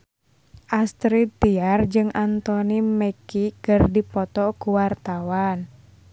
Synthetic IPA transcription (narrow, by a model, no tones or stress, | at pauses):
ʔast̪ɾit̪ːiard͡ʒɨŋʔant̪ɔniməkikɨrdipɔt̪ɔkuwart̪awan